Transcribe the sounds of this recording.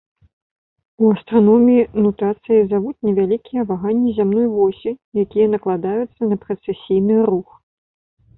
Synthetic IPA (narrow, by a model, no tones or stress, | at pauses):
uɐst̪ɾanɔmʲiinut̪at̪sɨjizavut͡sʲnʲɛvʲalʲikʲijɐvaɣanʲːizʲamnɔjvɔsʲijakʲijɐnɐklˠad̪ajut̪sːɐnɐpɾɐt̪sɛsʲijnɨrux